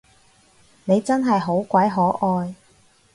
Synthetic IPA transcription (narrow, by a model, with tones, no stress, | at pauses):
ne˨˧jt͡sɐ˥nɦɐ˨jɦo˨˥wkʷɐ˨˥jɦɔː˨˥ʔɔː˧j